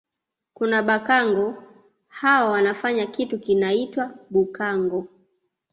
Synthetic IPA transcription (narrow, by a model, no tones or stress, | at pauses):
kunaɓakaŋɡɔ | hawawanafaɲakitukinaitwaɓukaŋɡɔ